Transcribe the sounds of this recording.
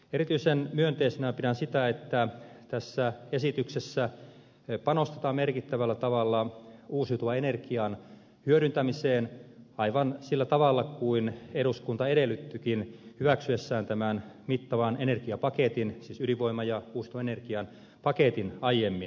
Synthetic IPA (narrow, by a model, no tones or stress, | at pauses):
eɾit̪yisenmyønt̪eisenæpidænsit̪æet̪ːæt̪æsːæesit̪yksesːæ | pɑnost̪e̥t̪ɑːmmerkit̪ːæʋælːæt̪ɑʋɑlːɑuːsiut̪uʋɑenerkiɑn | hyøɾynt̪æmiseːnɑiʋɑnsilːæt̪ɑʋɑlːɑkuineɾuskunt̪ɑeɾelːˑyt̪ːykinhyʋæksyesːæːnt̪æmænmit̪ːɑʋɑnenerkiɑpɑket̪insiːsyliʋoimːɑjɑuːsit̪uʋɑenerkiɑn | pɑket̪inɑijemːin